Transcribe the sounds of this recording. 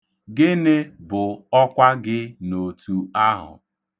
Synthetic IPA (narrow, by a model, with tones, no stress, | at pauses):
ɡɪ˦nɪ˦bʊ˨ɔ˦kʷa˦ɡɪ˦no˨tu˨a˦ɦʊ̰˨